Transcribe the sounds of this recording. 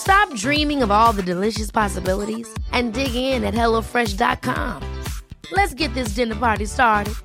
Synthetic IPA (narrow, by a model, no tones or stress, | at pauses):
stɑp̚dɹĩmɪ̃ŋʌvɔlˠðɨdɨlɪʃɨspʰɑsəbɪlˠəɾizʔɨ̃ndɪɡɪ̃ŋɪ̃nɨt̚hɛlˠoʊfɹɛʃdɑ̰t̚kʰɑ̰̃mlɨtsɡ̥ɛt̪̚ðɪs̬d̥ɪ̃nə˞pɑɹɾistɑɹɾɨd̥̚